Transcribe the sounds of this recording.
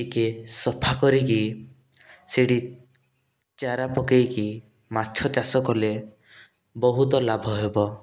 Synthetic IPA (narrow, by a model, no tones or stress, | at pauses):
ikesɔpʰakɔɾiki | seɽi | t͡ʃaɾapɔkejki | mat͡ʃʰɔt͡ʃasɔkɔle | bɔɦut̪ɔlabʱɔɦebɔ